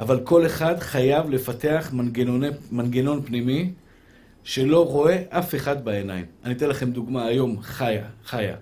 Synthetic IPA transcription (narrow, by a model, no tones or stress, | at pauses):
ʔavalko̞le̞χadχajavle̞fate̞aχɡeonemanɡe̞no̞npnimi | ʃe̞lo̞ʁo̞e̞ʔafe̞χadbae̞najmanit̪enlaχe̞md̪uɡmaːjo̞mχajaχaja̰